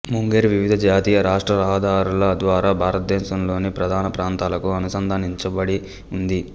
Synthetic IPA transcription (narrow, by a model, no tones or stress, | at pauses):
muŋɡeːɾʋiʋid̪ʱɐd͡ʒaːt̪iːjɐɾaːʂʈɾɐɾaːɐd̪ʱaːɾulɐd̪ʋaːɾaːbʱaːɾɐt̪̚d̪ɛːʃɐmlo̞ːnipɾɐd̪ʱaːnɐpɾaːnt̪aːlɐkuɐnusɐnd̪ʱɐniɲt͡ʃɐbɐɽi | und̪i